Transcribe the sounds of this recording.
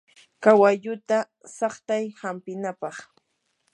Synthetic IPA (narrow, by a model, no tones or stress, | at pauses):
kawaʎʊt̪a | sɑχt̪ajhampɪnapɑχ